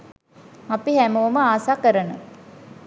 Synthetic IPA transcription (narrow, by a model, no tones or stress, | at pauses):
apihæməʋuməaːsaːkəɾənə